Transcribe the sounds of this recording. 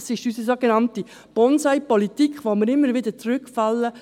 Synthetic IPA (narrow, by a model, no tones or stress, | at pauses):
sɪʃysəsoɡenɑnti | b̥ɔnsæɪpɔlitikχʋomɪɾɪmːəɾʋɪd̪ət͡sɾʏkfɑlːə